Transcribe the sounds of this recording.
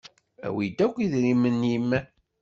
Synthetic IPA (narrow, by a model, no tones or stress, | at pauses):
æ̰wid̪ækʷːiðɾimːənːjimːæ